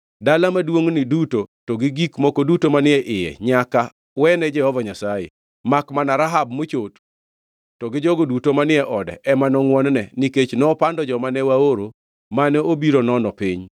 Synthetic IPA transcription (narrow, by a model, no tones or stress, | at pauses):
dalamadwoŋnidutotɔɡiɡikmokodutomanɪɛʔɪjɛ̰ɲaka | wɛnɛd͡ʒɛhɔvaɲasajḛ | makmanaɾaɦabmot͡ʃot | tɔɡɪd͡ʒɔɡodutomanɪɛʔɔdɛ̰ʔɛmanɔŋwɔnnɛniket͡ʃnɔːpandɔd͡ʒɔmanɛwaoɾo | manɛobiɾonɔnɔpɪɲ